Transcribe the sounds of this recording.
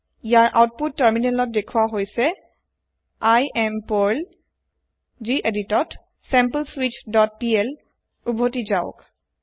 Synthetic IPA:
ijaɹʔa̰wt̚putːəɹminɛnlɔt̚dekʰuwaɦojsɛ | ajɛmpoɹl | ziʔeditɔt | sɛmpəlswitdɔt̚piɛl | ubʱotizaʊ̰k

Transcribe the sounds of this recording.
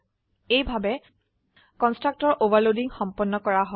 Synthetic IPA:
ejbʱabɛ | kɔnstɹak̚tɔɹʔovaɹlodiŋxɔmpɔnːɔkɔɹaɦɔ

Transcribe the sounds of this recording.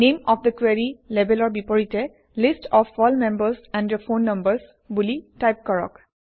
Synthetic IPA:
nemɔfd̪əkweɹilebɛlɔɹbipɔɹitɛ | listʰɔfːɔlmẽmbəɹsɛ̃ndjɔfõnːʌmbəs | bulitajp̚kɔɹɔ̰k

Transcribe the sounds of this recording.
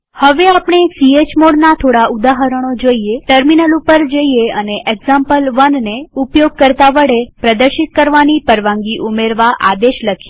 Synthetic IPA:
həʋeapɳ̃esiet͡ʃmoɽnat̪ʰoɽaud̪aɦəɾəɽ̃od͡ʒoieʈəɾminəlupəɾd͡ʒəieəneʔeɡzãmpəlʋənneupjoɡ̚kəɾt̪aʋəɽepɾəd̪əɾʃit̪̚kəɾʋanipəɾʋãŋɡiʔumeɾʋaʔa̰d̪eʃləkʰje

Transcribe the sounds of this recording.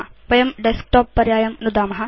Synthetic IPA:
ʋɐjɐmɖesk̚ʈoːpːɐɾjaːjɐmnud̪aːmɐɦɐ

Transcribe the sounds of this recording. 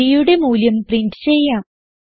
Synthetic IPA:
ijuɽe̞muːljɐmpriɳɖɨ̥t͡ɕe̞jːaːm

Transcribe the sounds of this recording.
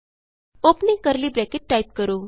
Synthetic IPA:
opnĩŋkəɾliːbɾɛkeʈːaip̚kəɾoː

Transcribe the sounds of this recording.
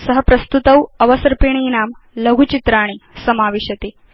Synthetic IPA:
səɦəpɾɐst̪ut̪ɐwɐʋɐsɐɾpiɳ̃iːnaːmlɐɡʱut͡ɕit̪ɾaːɽ̃isɐmaːʋeɕjɐt̪eː

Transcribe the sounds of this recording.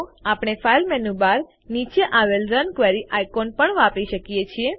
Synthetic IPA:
apɳ̃efʰajlmɛnubaɾ | nit͡ʃeʔaʋelɾənkʋeɾiʔajkonpəɳʋãpiʃəkijet͡ʃʰie

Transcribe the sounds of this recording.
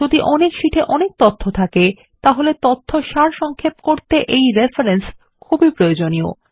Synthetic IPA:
od̪iʔɔnekʃiʈʰeʔɔnek̚t̪ot̪ʰːot̪ʰake | t̪aɦolet̪ot̪ʰːoʃaɾʃɔŋkʰepkoɾt̪eʔejɾefaɾens | kʰubipɾojod͡ʑonio̰

